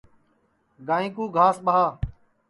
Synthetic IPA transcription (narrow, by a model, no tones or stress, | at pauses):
ɡaːĩːkuːɡʱaːsɓəɦaː